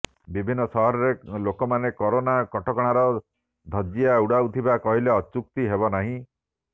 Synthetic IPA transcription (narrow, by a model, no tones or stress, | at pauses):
bibʱinːɔsɔɦɔɾɔɾelokɔmanekɔɾonakɔʈʰɔkɔɽ̃aɾɔ | d̪ʱɔd͡ʒiauɽawt̪ʰibakɔɦileɔt͡ʃuk̚t̪iɦebɔnaɦĩ